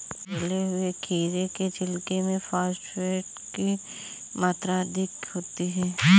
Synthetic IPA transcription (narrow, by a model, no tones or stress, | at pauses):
bɐleɦʊekʰiːɾeket͡ʃɪlkemẽfaːsʈfeːʈ | ki | maːt̪ɾad̪ʱɪkɦoːt̪iɦɛː